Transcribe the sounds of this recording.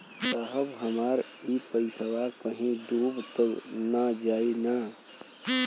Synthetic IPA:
səɦəbɦəmaːɾ | ipəɪsəwakəɦĩɖuːbt̪əɡnad͡ʒaːina

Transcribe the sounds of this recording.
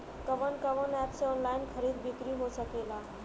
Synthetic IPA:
kəʋənkəʋənɛpseɔnlainkʰəɾid̪bikɾiɦosəkela

